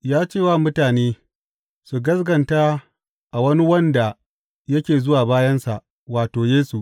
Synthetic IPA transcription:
jaː˦t͡ʃeː˦˨waː˦˨mʊ˦taː˨neː˦ | su˨ɡɐ˦sɡɐ˨nta˦ | ʔa˨wɐ˦ni˦wɐ˦nda˨ | jɐ˦kʲeː˨zʊ˦waː˨baː˦jɐ˦nsa̰˨ʔ | waː˨toː˨jeː˦su˨ʔ

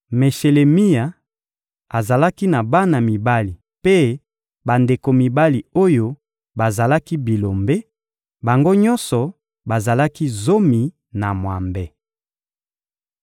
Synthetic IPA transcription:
me˨ʃe˨le˨mi˦ja˨ | a˨za˨la˦ki˦na˨ba˦na˨mi˨ba˦li˨ | pe˦ | ba˨nde˨ko˨mi˨ba˦li˨o˦jo˦ | ba˨za˨la˦ki˦bi˨lo˨mbe˦ | ba˨ŋɡo˦ɲɔ˦nsɔ˨ | ba˨za˨la˦ki˦zo˦mi˨ | na˨mwa˨mbe˦

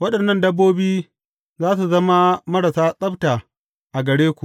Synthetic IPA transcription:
wɐ˦ɗɐ˨nːɐ˦˨ndɐ˦bːoː˦biː˦ | zaː˦s̬u˨zɐ˦ma˦mɐ˦ɾa˨saː˦sʼɐ˦bta˨ | ʔa˨ɡɐ˨ɽeː˦kʷu˨ʔ

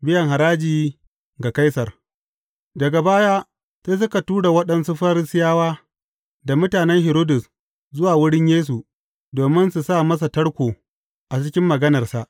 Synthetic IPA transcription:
bɪ˦jɐ˨ŋɦa˨ɾaː˦d͡ʒiː˨ | ɡa˨ka˦jsɐ˨r | dɐ˨ɡa˨baː˦jaː˦ | seː˦s̬ʊ˦ka˨tuː˦ɽa˨wɐ˦ɗɐ˦nsu˦ɸa˦ɾɪ˦sɪ˦jaː˦waː˦ | da˨mʊ˦taː˨nɛ˦ŋɦɛ˨ɾoː˦dʊ˨s | zʊ˦waː˨wʊ˦ɽɪ˦ɲjeː˦s̬u˨ | doː˨mɪ˦nsu˨saː˦˨mɐ˦s̬a˨tɐ˦ɽkʷoː˨ | ʔa˨t͡ʃɪ˦kʲɪ˦mːɐ˨ɡɐ˦nɐ˨rsa˨ʔ

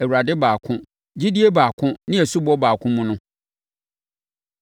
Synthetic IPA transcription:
æ˨wu˨a˨dɪ˦baː˨kʰʊ̃˦ | d͡ʑi˦di˦e˦baː˨kʰʊ̃˦nɪ̃˦æ˨su˦bɔ˦baː˨kʰʊ̃˦mũ˦nʊ̃˦

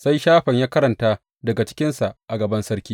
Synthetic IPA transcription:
sa˦jʃaː˦ɸɐ˨ɲjaː˦kɐ˦ɾɐ˨ntaː˦ | dɐ˨ɡa˨t͡ʃɪ̥˦kʲɪ˦nsa˨ʔa˨ɡɐ˨bɐ˦nsɐ˦ɾkʲiː˦

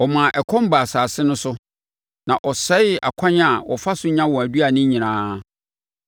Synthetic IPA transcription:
ɔ˨mã˨ʔɛ˨kʰɔ̃˦m˦ba˨saː˨sɪ˦nʊ̃˦sʊ˦ | nã˨ʔɔ˨sɛ˦ɪ˦a̰˨kʰã˦ɲ˦a˨wɔ˨fa˦sʊ˦ɲã˦wɔ̃˨æ˨dɥi˦a˨nɪ̃˦ɲĩ˨nãː˦

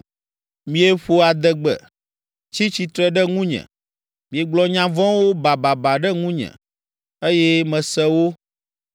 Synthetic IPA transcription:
mĩ˨e˦ɸo˦a˨d̪ɛ˨ɡ͡bɛ̰˨ | t͡ɕi˦t͡ɕi˨t̪ɾɛ˦ɖɛ˦ŋũ˦ɲɛ̰̃˨ | mĩ˨e˨ɡ͡blɔ˦ɲã˦vɔ̃˦wo˦ba˨ba˨ba˨ɖɛ˦ŋũ˦ɲɛ̰̃˨ | e˦jɛ˦mɛ̃˨sɛ˦wo˦

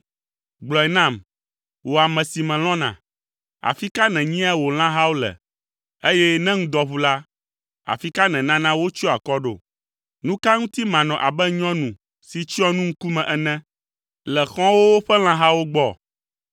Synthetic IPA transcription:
ɡ͡blɔ˨ɛ˨nã˦˨m | wo˨a˨mɛ̃˨si˨mɛ̃˨l̃ɔ̃˦nã̰˨ | a̰˨fi˦ka˦nɛ̃˨ɲĩ˦a˦wo˨l̃ã˦ɦa˦wo˦lɛ̰˨ | e˦jɛ˦nɛ̃˦ŋ̩̃˦d̪ɔ˦βu˦la˦ | a̰˨fi˦ka˦nɛ̃˨nã˦nã˦wo˦t͡ʃɔ˦a˨kɔ˦ɖo̰˨ | nũ˦ka˦ŋũ˦t̪i˦mã˨nɔ̃˨ʔa˨bɛ˦ɲɔ̃˦nũ˨ | si˨t͡ʃi˦ɔ˦nũ˦ŋ̩˦ku˦mɛ̃˨ʔɛ˨nɛ̃˦ | lɛ˨xɔ̃˦wo˦wo˦ɸɛ˦l̃ã˦ɦa˦wo˦ɡ͡bɔ˦˨

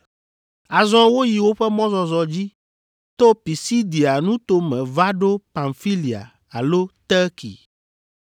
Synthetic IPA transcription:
a˨zɔ̃˦wo˦ji˨wo˦ɸɛ˦mɔ̃˦zɔ˨zɔ˨d͡ʑi˦ | t̪o˦pi˨si˦d̪i˨a˨nũ˦t̪o˦mɛ̃˨va˦ɖo˦pa˨ŋfi˦li˨a̰˨ | a˨lo˦t̪ɛ˦kḭ˨

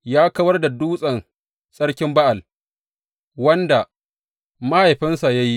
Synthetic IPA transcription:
jaː˦kɐ˦wɐ˦rda˨duː˦sʼɐ˨n | sʼɐ˦ɽkʲɪ˦mba˦ʔa˨l | wɐ˦nda˨ | ma˦ha˨jɸɪ˦nsa˨ja˦ji˦

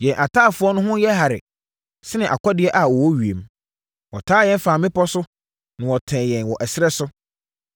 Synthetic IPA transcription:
jɛ̃˨nʔa˨tʰaː˦˨fʊ˦ɔ˦nʊ̃˦ɦʊ̃˦jɛ˦ɦa˨ɾɪ̰˨ | sɪ˦nɪ̃˨ʔa̰˨kʷʰɔ˦dɪ˨˦ɛ˦ʔa˨wɔ˨wɔ˦ɥi˨e˨m | wɔ˨tʰaː˦jɛ̃˦n˦faː˨mɪ̃˦pɔ˦sʊ˦ | nã˨wɔ˨tʰɛ̃ː˨jɛ̃˨nwɔ˨ʔæ˨sɪ˦ɾɛ˦sʊ˦

